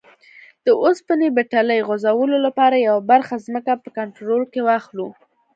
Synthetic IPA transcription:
d̪̥əʔospənebeʈaləjɣozawəlolapɑɾajawabaɾxazməkapəkaɳʈɾolkewɑxlu

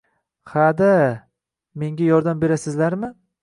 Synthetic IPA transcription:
had̪a | me̞ŋɡʲajɒɾd̪ambe̞ɾasɪzlaɾmɪ

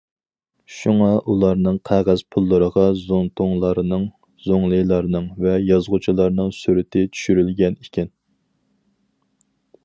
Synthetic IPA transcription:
ʃuŋɑʔulˠɑɾnɨŋqʰæʁæz̥pʰulˠːəɾəʁɑzont̪ʰoŋlˠɑɾnɨŋ | z̥oŋlˠɨjlˠɑɾnɨŋvɛjɑzʁʊt͡ʃʰilˠɑɾnɨŋsyɾɪt̪ʰɪt͡ʃʰy̥ʃyɾylɡʲɛnikʲɪn

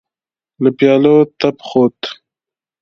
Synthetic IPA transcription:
ləpjɑːlot̪apχot̪

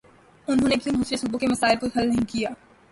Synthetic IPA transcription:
ʊnɦõːnebʱinɦũːt͡ʃɾesuːbõkemɐsaːɪlpuɾxɐlnɐɦĩkijaː

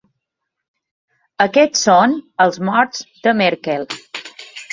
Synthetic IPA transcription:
əkɛt͡sːonəlˠzmɔɾzd̪əmɛɾkɛlˠ

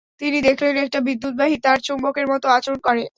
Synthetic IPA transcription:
t̪inid̪ekʰlenek̚ʈabid̪ːut̪̚baɦit̪aɾt͡ɕombokeɾmɔt̪oat͡ɕoɾonkɔɾe

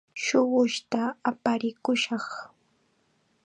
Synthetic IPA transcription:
ʃʊwʊʃt̪aːpaɾɪkʊʃɑχ

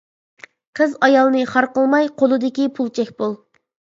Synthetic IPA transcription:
qʰəzɑjɑlˠnɨχɑɾqəlˠmɑjqʰolˠɨd̪ɪkʲipʰulˠt͡ʃʰɛkʲbolˠ

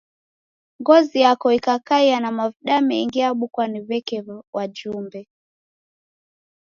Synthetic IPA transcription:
ŋɡɔzijakɔikakaianamaviɗamɛiŋɡiaɓukwaniβɛkɛwad͡ʒumbɛ

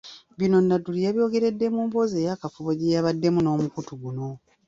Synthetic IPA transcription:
βino̞nːatulijaβjo̞ːɡe̞ɾe̞dːe̞muːmbo̞ze̞ːjakafuβoɟejaβadːe̞muno̞ːmukutuɡuno̞

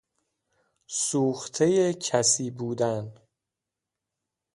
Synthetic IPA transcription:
suːxt̪ʰe̞jecʰæsiːbuːd̪æn

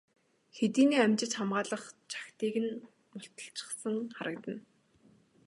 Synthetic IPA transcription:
xet̪iːniːæmt͡ɕɪ̆t͡ɕχamɢaːɮə̆χt͡ɕʰḁxt̪iːɣɘ̆n | mʊɬt̪ə̆ɬt͡ɕɪ̥̆χsə̆ŋχaɾə̆kt̪ə̆n

